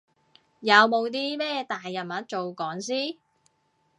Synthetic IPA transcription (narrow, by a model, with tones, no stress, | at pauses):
jɐ˨˧wmo˨˧wt̪̬iː˥mɛː˥t̪aː˨jːɐ˨˩nmɐ˨˥t̚t͡ʃo˨wkɔː˨˥ŋsiː˥